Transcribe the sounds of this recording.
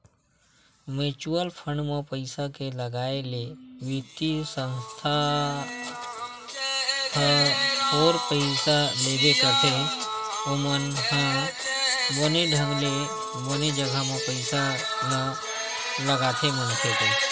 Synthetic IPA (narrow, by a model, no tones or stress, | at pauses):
met͡ʃuwəlpʰə̃ɳɖmãpəɪsakeləɡaːeleʋit̪isə̃nst̪ʰa | əhoːɾpəɪsaleːd̪ekəɾt̪ʰe | ʊmənhã | boːneɖʱə̃ŋɡle | boːned͡ʒəɡʱamãpəɪsa | nə | ləɡaːt̪ʰemənk̪ʰeke